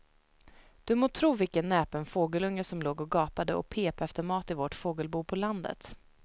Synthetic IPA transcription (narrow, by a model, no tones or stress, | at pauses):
d̪̥ɵmoːt̪ʰɾuːvɪkənːɛːpənfoːɡəlɵŋːəsɔmloːɡɔɡɑːpad̪əɔ̰pʰeːpɛft̪əɾmɑːt̪ɪvoʈfoːɡəlbuːpʰɔland̪ə̰t̪